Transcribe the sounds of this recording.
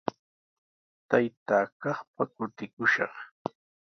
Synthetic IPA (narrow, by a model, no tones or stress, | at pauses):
t̪ajt̪aːkɑχpakʊt̪ɪkʊʃɑ̰χ